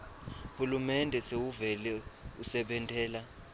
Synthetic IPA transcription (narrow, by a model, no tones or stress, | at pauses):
hulumɛndʱɛsewuvɛlɛusɛɓɛntʼɛːla